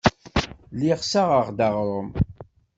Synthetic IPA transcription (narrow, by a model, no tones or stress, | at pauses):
liʁsaʁəʁd̪aʁɾˤʊm